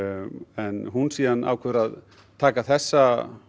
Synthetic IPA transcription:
ɛnɦunsiːðana̰ːwkʰœɾað | t̪ʰaːkaθɛsːa

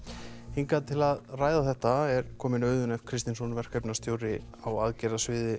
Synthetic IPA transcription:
hiŋkat̪ʰɪlaðraːjðaθɛht̪aɛɾ̥kʰɔːmɪnœːɥðʏnɛfkʰɾɪst̪ɪnsɔnvɛr̥kʰœpnast̪joːwɾɪ | awaðcɛɾðasvɪːðɪ

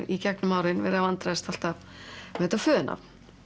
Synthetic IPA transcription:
ɾicɛknʏmaːwɾɪnvɛːɾavant̪ɾaðɪst̪al̥t̪av | ɛt̪afœːðʏnʔa̰v̥

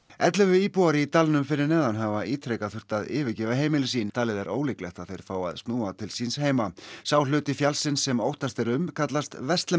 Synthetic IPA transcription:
ɛt̪lʏvʏiːpuwaɾɪit̪alnʏmfɪɾɪɾnɛːðanɦavaʔiːt̪ʰɾejkaθʏr̥t̪aðɪːvɪcɛːvaɦeːjmɪlɪsint̪ʰaːlɪðɛɾʔo̰ːwlɪklɛxt̪aðθejɾ̥faːwa̰ðst̪nuːat̪ʰɪlsinsheːjmasaːwlʏːt̪ɪfjalsɪnsːɛmowht̪ast̪ɛɾʏmkʰat̪last̪vɛst̪lɛ

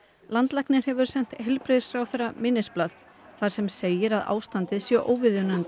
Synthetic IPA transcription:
lant̪lahknɪɾ̥hɛvʏɾ̥sɛn̥t̪hɛlpɾeːsfɾawθɛrːamɪnːɪsplað | θaɾ̥sɛmseːjɪɾaða̰ːwst̪ant̪ɪðsjœʔoːwvɪðjʏnant̪

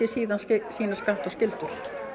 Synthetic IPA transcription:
ɪsiːðanssiːnaskaht̪awscɪlt̪ʏɾ̥

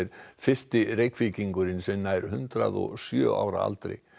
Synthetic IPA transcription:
ɾfɪst̪ɪrejkficiŋkʏɾɪnsɛmnajɾ̥hʏnt̪ɾaðɔ̰ɣsjœːʔaːwɾaa̰lt̪ɾḛj

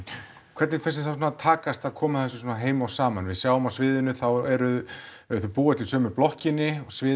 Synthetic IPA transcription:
kʰv̥ɛɾt̪nɪfɛs̬ɪθawsɔnat̪ʰaːkast̪aðkʰɔːmaðθɛs̬ʏs̬oːnaɦeːjmawsaːma̰nvɪðsjaːwʏmawsvɪːðɪnʏθawɛɾʏɛɾθœʏpuːat̪lɪsœːmʏplɔhcɪnːɪɔɣsvɪː

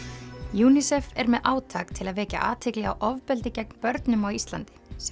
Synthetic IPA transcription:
juːnisɛfɛɾmɛðʔaːwt̪ʰaːkt̪ʰɪlaðvɛːca̰ʔa̰ːt̪ʰɪklɪɣawʔɔvpɛlt̪ɪcɛkn̥pœɾt̪nʏmawist̪la̰nt̪ɪ̥s

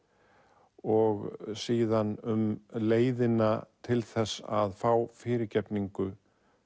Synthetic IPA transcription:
ɔɣsiːðanʏmleːjðɪnat̪ʰɪlθɛsːa̰ðfawfɪːɾɪɾcɛpniŋkʏ

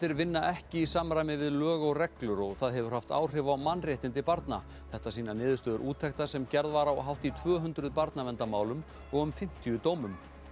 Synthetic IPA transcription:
θɪɾvɪnːaʔɛhcɪisamɾajmɪvɪðlœːɣɔwrɛklʏɾɔɣθaðɦɛvʏɾ̥haft̪a̰ːwr̥ɪvawmanːrjɛht̪ɪnt̪ɪpaɾt̪na̰ | θɛht̪asiːnanɪːðʏst̪œːðʏɾʔuːt̪ʰɛkt̪asɛmcɛɾðvaɾawɦawht̪it̪ʰvœːɦʏnt̪ɾʏðpaɾt̪namɛnt̪amaːwlʏm | ɔɣʏmfɪm̥t̪ijʏt̪oːwmʏm

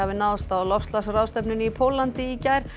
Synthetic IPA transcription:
avɪnaðst̪awlɔfst̪lasrawst̪ɛpnʏnipʰowlant̪ɪicajɾ̥

